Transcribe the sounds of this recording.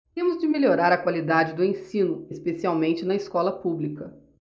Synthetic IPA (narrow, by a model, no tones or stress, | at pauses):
t̪ẽmʊzd͡ʒɪmelʲoɾaɾɐkwalid̪ad͡ʒɪd̪ʊẽsĩnʊespesiawmẽnt͡ʃɪnɐɪskɔlɐpublikɐ